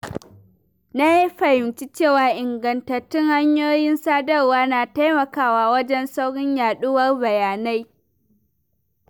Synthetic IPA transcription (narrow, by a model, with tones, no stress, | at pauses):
na˦ji˦ɸɐ˨hɪ˨nt͡ʃi˦t͡ʃeː˦˨waː˨ʔɪ˨ŋɡɐ˨ntɐ˨tːɪ˦ŋha˦ɲjoː˦jɪ˦nsaː˦dɐ˦rwaː˦naː˨ta˦jmɐ˨kaː˦˨waː˨wɐ˦d͡ʒɛ˦nsa˦wɽɪ˦ɲjaː˨ɗʊ˦wɐ˦rbɐ˨jaː˨na˦j